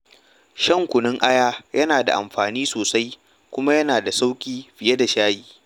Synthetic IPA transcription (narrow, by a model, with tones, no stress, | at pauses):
ʃɐ˦˨ŋkʷʊ˨nɪ˦ŋʔa˦jaː˦jɐ˦naː˨da̰˨ʔa̰˨mɸaː˨niː˦soː˨sa˦j | kʷʊ˦ma˦jɐ˦naː˨da˨sa˦wkʲʼiː˦ɸɪ˨je˦da˨ʃaː˦jiː˨